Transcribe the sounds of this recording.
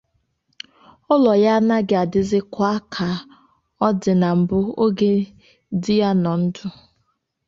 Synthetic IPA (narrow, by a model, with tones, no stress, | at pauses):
ʊ˦lɔ˨ja˦na˦ɡɪ˦a˨dɪ˦zɪ˦kʷa˦kʰa˨ | ɔ˦dɪ˨na˨m̩˨bʊ˦o˦ɡe˦ | dɪ˦ja˦nɔ˨n̩˦dʊ˦